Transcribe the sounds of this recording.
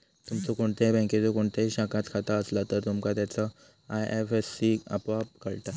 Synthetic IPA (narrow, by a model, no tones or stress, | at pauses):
t̪umt͡sɔkoɳt̪ebə̃ket͡sɔkoɳt̪eɦiɕãkat̪kʰat̪aəslat̪əɾt̪umkat̪jat͡sə | ajefesːiə̰pʋab̚kəɭt̪a